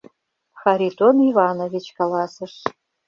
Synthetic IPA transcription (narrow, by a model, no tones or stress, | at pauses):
xaɾʲit̪onivanovʲit͡ɕkalɑsɨʂ